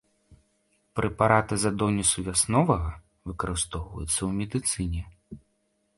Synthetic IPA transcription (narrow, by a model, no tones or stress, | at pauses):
pɾɛpaɾat̪ɨzad̪ɔnʲisuvʲasnɔvɐɣɐ | vɨkɐɾɨst̪ɔwvɐ̰jut̪sːɐwmʲɛd̪ɨt̪sɨnʲɛ